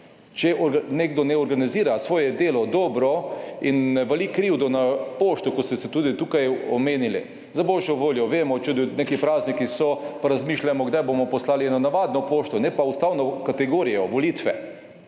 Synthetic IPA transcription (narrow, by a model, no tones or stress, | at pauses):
t͡ʃɛʔɔɾneːɡd̪ɔnɛɔɾɡaniziːɾasʋɔːjɛd̪eːlɔd̪ɔːbɾɔinʋɛlikɾiwd̪ɔnapoːʃt̪ɔkɔt̪st̪ɛsɛt̪uːd̪it̪uːkajɔmeːnilḭ | zabɔːʒjɔʋoːljɔʋeːmɔt͡ʃud̪inekipɾaːznikisɔpaɾazmiːʃlamɔɡd̪ajbomɔpɔslaːliɛnanaʋaːd̪nɔpoːʃt̪ɔnɛpaust̪aːwnɔkat̪ɛɡoːɾijɔʋɔliːt̪ʋɛ